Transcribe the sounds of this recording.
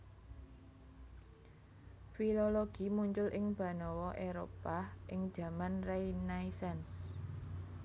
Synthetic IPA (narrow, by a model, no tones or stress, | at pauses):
filoloɡ̥imuɲt͡ʃʊlʔɪŋb̥ä̤nɔwɔʔeɾo̰paʔɪŋ̥d͡ʒ̥a̤manrejnaisɛns